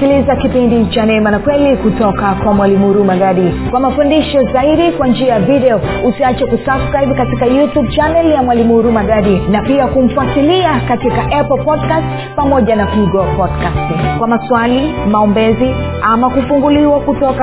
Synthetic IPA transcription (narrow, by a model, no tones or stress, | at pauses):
kilizakipindit͡ʃanɛmanakwɛlikutɔkakwamwalimuɾumaɡaɗikwamafundiʃɔzaiɗikwand͡ʒiajaviɗɛɔusiat͡ʃakusabskɾaibkatikajutub̚t͡ʃanɛljamwalimuɾumaɠaɗinapiakum̩fuatiliakatikaʔɛpl̩pɔdkast | pamɔʄanakiɡɔpɔdkastkwamaswalimaɔmbɛzi | amakufuŋɡuliwakutɔka